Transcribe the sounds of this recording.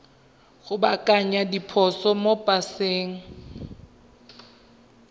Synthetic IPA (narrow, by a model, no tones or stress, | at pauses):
ɣʊbakʼaɲadipʰɔsɔmopʼaseːŋ̩